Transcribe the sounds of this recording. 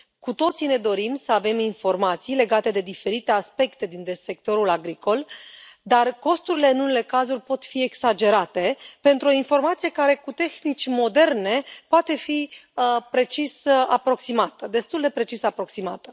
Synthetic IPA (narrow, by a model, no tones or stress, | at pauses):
kut̪o̞t̪sine̞d̪o̞ɾimsəave̞minfo̞rmat̪sijle̞ɡat̪e̞d̪e̞d̪ife̞ɾit̪e̞aspe̞kt̪e̞d̪ind̪ese̞k̚t̪o̞ɾulaɡɾikʰo̞ld̪arko̞st̪uɾile̞ɨnune̞le̞kazurʲpo̞t̪fie̞ksad͡ʒe̞ɾat̪e̞pe̞nt̪ɾuo̞info̞rmat̪sije̞kaɾe̞kut̪e̞xnit͡ʃʲmo̞d̪e̞rne̞poat̪e̞fiəpɾe̞t͡ʃisapɾo̞ksimat̪əd̪e̞st̪uld̪e̞pɾe̞t͡ʃisapɾo̞ksimat̪ə